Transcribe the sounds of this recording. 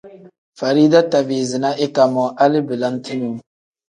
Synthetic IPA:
fa˨ɾi˦da˦ta˨biː˨zɪ˨na˦ʔɪ˦ka˨mɔ˨ʔa˦lɪ˦bɪ˨la˦n˦ti˦nu˨˦

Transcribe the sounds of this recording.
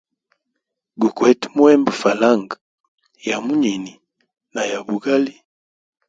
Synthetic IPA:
ɡu˨kwɛ˦ti˦mwɛ˦mba˨fa˨la˦ŋɡa˨ | ja˨mu˦ɲi˨ni˨ | na˨ja˨bu˨ɡa˦li˦

